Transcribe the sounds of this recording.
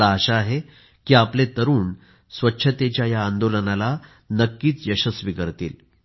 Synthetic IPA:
aːɕaːɦe | kiːaplet̪əɾuːn | sʋətːɕʰət̪et͡ɕjajaːnd̪olənala | nəkːiːt͡s̪jəɕəsʋikəɾt̪ḭːl

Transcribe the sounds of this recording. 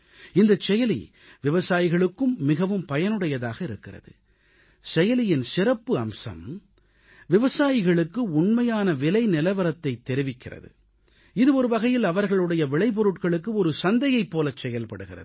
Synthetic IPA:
ɪnd̪ɐt͡ʃːɛjɐlḭ | ʋɪʋɐsaːjɪɣɐɭɯkːɯmːɪɣɐʋɯmpɐjɐnɯɽɐjɐðaːɣɐɪɾɯkːɪrɐ̰ðɯ̰ | sɛjɐlɪjɪnsɪrɐpːɯɐmsɐ̰m | ʋɪʋɐsaːjɪɣɐɭɯkːɯʊɳmɐjaːnɐʋɪlɐɪnɪlɐʋɐɾɐt̪ːɐɪt̪ːɛɾɪʋɪkːɪrɐ̰ðɯ̰ | ɪðɯɔɾɯʋɐɣɐjɪlɐʋɐɾɣɐɭɯɽɐjɐʋɪɭɐɪp̬ɔɾɯʈkɐɭɯkːɯɔɾɯsɐnd̪ɐjɐɪpːoːlɐt͡ʃːɛjɐlpɐɽɯɣɪrɐ̰ð

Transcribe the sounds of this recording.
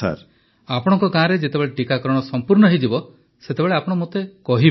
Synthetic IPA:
a̰ɾ | apɔɽ̃ɔŋkɔkaãɾed͡ʒet̪ebeɭeʈikakɔɾɔɽ̃ɔsɔmpuɾɳɔɦed͡ʒibɔ | set̪ebeɭeapɔɽ̃ɔmot̪ekɔɦib

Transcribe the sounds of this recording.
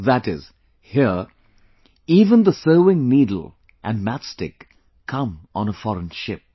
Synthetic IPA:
ðəɾɪz̥ | hiɹ | ivə̃nðəsoʊɪ̃ŋnidl̩ˠ | ʔɨ̃nmætstɪ̰k | kʰʌ̃mə̃nəfɔɹə̃nʃɪp̚

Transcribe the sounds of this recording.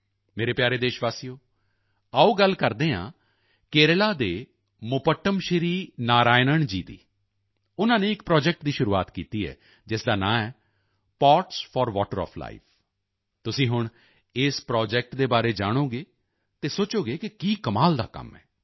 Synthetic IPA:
meːɾeːpjaːɾeːd̪eːʃʋaːsijoː | aːuːɡəlkəɾd̪ẽːɦã̰ː | keːɾlaːd̪eː | mʊpəʈːəmʃəɾiːnaːɾaːɪnəɳd͡ʒḭːd̪ḭː | ʊnãːneːɪkpɾɔːd͡ʒɛk̚ʈd̪iːʃʊɾuːa̰ːt̪kiːt̪iːɛ̰ː | d͡ʒɪsd̪aːnã̰ːɛː | paːʈspʰɔːɾʋɔ̰ːʈəɾɔ̰ːpʰla̰ːḭːpʰ | t̪ʊsĩːɦʊɳ̃ | ɪːspɾɔːd͡ʒɛk̚ʈd̪eːbaːɾeːd͡ʒaːɽ̃oːɡeː | t̪eːsoːt͡ʃoːɡeːkɪkiːkəmaːld̪a̰ːkə̰mɦɛː

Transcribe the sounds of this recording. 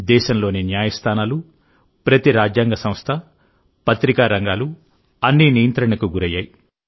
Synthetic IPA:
d̪ɛːʃɐmlo̞ːninjaːjɐst̪ʰaːnaːlu | pɾɐt̪iɾaːd͡ʒjaːŋɡɐsɐ̃mst̪ʰɐ | pɐt̪ɾikaːɾɐŋɡaːlu | ɐnːinijɐnt̪ɾɐɳɐkuɡuɾɐja̰ːji

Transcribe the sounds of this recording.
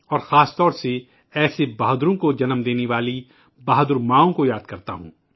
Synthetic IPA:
ɔːɾxaːst̪ɔːɾse | ɛːsebaːɦd̪ɾõkod͡ʒɐnmd̪eːneʋaːli | baɦd̪ʊɾmãːõkojaːd̪̚kɐɾt̪a̰ɦṵ̃ː

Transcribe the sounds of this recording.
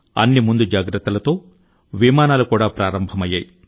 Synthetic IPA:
ɐ̰nːimund̪ud͡ʒaːɡɾɐt̪ːɐlɐt̪o̞ː | ʋimaːnaːlukuːɽaːpɾaːɾɐmbʱɐmɐjːaːji

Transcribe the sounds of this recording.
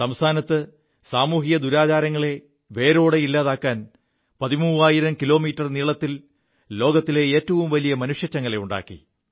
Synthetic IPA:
sɐmst̪ʰaːnɐt̪ːɨ | saːmuːɦijɐd̪uɾaːt͡ɕaːɾɐŋːɐɭe̞ | ʋe̞ːɾo̞ːɽe̞ilːaːðaːkːaːn | pɐðimuːaːjiɾɐmkilo̞ːmiːtːɐrniːɭɐt̪ːil | lo̞ːɡɐt̪ːile̞eːtːɐʋumʋɐlijɐmɐnuʂjɐt͡ɕːɐŋːɐɭe̞uɳɖa̰ːkːḭ

